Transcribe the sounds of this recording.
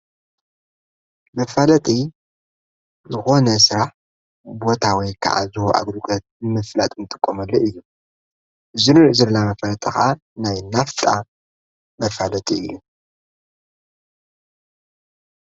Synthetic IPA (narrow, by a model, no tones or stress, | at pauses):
mɐfalɐt̪ʼi | zɨxo̞nɐsɨɾaħ | bo̞t̪ʰawijkʰa̰ʕa̰zɨhoʔa̰ɡlukʼɐt̪̚nɨmɨflat̪ʼɨnɨt̪ʼɨ̥kʼːomɐlːoʔɨjːu | ʔɨzɨɾɨʔzɨɾnamɐfɐlɐt̪ʼɐxʔa | najnaft̪ʼa | mɐfalɐt̪ʼiɨ̰jːu